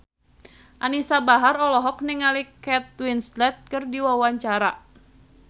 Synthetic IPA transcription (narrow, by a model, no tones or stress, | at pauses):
ʔanisabaɦarɔlɔɦɔk̚niŋalikɛt̪̚winslɛt̪̚kɨrdiwawaɲt͡ʃaɾa